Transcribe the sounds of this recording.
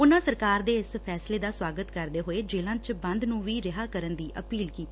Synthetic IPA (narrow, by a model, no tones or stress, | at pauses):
ʊnãːsəɾkaːɾd̪eːɪspʰɛːsleːd̪aːswaːɡət̪kəɾd̪eːɦoːeːd͡ʒeːlãːt͡ʃbə̃nd̪nũːʋiːɾɪɦaːkəɾənd̪iːʔəpiːlkiːt̪ː